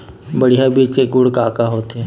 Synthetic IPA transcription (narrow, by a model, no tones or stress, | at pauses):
bəɽijabiːt͡ʃeɡʊɽkaːkaɦoːt̪ɛː